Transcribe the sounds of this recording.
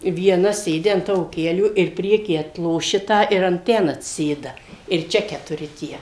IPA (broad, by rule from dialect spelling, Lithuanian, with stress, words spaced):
ʋʲiɛˈnɐ ˈsʲeːdʲɪ ɐn ˈtɑːʋoː ˈkʲæːlʲuː ɪr ˈpʲrʲiɛkʲiː ɐtlˠoːˈʃʲɪ ˈtɑː ɪr ɐn ˈtʲɛn ɐtʲsʲɪˈsʲeːdɐ ɪr ˈt͡ʃʲɛ kʲɛtʊˈrʲɪ ˈtʲiɛ